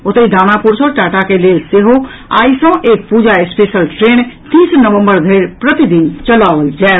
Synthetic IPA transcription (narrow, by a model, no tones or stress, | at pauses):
ot̪əid̪ʱanapuɾsɔʈaʈakelelseɦoa̰ːisə̃ʔeːk̚pud͡ʒaespeʃəlʈɾent̪iːsnəʋə̃mbəɾd̪ʱeɾpɾət̪id̪int͡ʃəlaːʋəld͡ʒae